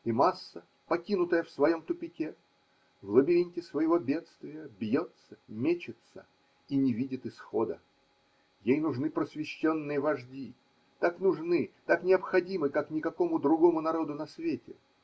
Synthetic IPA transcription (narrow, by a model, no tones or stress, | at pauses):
imasːə | pɐkʲinʊt̪əjəfsvɐjo̞mt̪ʊpʲɪkʲe | vlˠəbʲɪɾʲinʲtʲɪsvəjɪvo̞bʲe̞t̪st̪vʲɪjəbjo̞t̪səmʲet͡ɕɪt̪sə̰ | inʲɪvʲidʲɪt̪ɨsxo̞d̪ə | jejnʊʐnɨpɾəsvʲɪɕːo̞nːɨjəvɐʐdʲi | t̪aknʊʐnɨt̪aknʲɪɐpxɐdʲimɨkaknʲɪkɐko̞mʊd̪ɾʊɡo̞mʊnɐɾo̞d̪ʊnɐsvʲetʲɪ